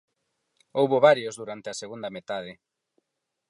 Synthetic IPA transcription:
owβoβaɾjozðuɾant̪eɐseɣund̪ɐmet̪að̞ɪ

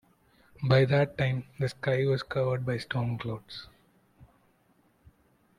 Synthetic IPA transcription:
baɪd̪æʈːãɪ̃md̪əskaɪʋɔzkʌʋəɾɖ̚baɪsʈõːŋkloːɖs

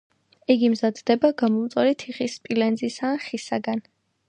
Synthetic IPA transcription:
ɛɡimzad̪d̪ɛbaɡamɔmt̪sʼɛɾit̪ʰiχispʼilɛnzisaːχisa̰ɡan

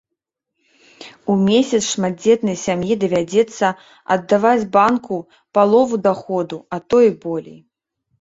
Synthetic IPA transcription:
umʲesʲɐt̪sʂmad̪̚d͡zʲɛt̪nɐjsʲamjid̪ɐvʲad͡zʲɛt̪sːɐ | ɐ̰d̪ːavad͡zʲbanku | palˠɔvud̪axɔd̪uɐt̪ɔjbɔlʲḛj

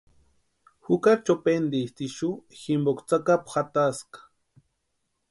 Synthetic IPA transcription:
hʊkat͡ʃapend̪ist̪iʃuximbokt͡sakapxat̪askḁ

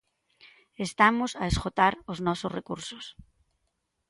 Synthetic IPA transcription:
est̪amʊsɐeskot̪aɾʊznɔsʊsrekuɾsʊs

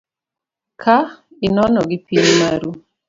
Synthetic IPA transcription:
kʰa | ɪnɔnɔɡipiɲmaɾu

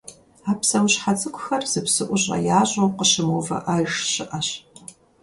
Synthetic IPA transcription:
aːpsɐwɕħat͡sʼɨkʷʰʼʊxɐrz̥ɨpsɨʔʷʊʑʼɐ̰jaːʑʼowqəɕɪmoːvɐ̰ʔaːjʂɕɪʔɐɕ

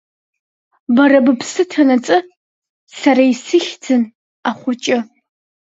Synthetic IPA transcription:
bɐrɐbɨpʰsɨtʰɐnɐt͡sʼɨ | sɐrɐjsɨxd͡zʰɨn | aχʷʊt͡ʃʼɪ

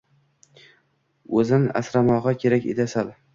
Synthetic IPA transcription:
ɵzɪnɪʔa̰sɾamɒʁɑkʲʰe̞ɾakʲḛt̪ʰasal

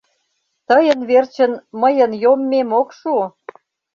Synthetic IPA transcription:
t̪ə̆jə̆nβert͡ɕə̆nməjə̆njomːemokʃu

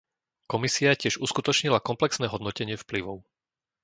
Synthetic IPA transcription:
kɔmisiacɪɛʒuskut̪ɔt͡ʃɲilakɔmplɛksnɛːɦɔd̪nɔcɛɲɪɛfpliʋɔʊ

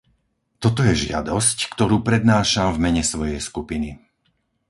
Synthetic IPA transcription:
t̪ɔt̪ɔjɛʒɪa̰d̪ɔsckt̪ɔɾuːpɾɛd̪naːʃamvmɛɲɛsʋɔjɛjskupini

